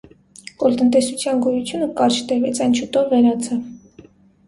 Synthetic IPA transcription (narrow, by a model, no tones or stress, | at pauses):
kɔlt̪ənt̪ɛsut͡sʰjɑnɡɔjut͡sʰjunəkɑɾt͡ʃʰt̪ɛvɛt͡sʰɑjnt͡ʃʰut̪ɔvvɛɾɑt͡sʰɑv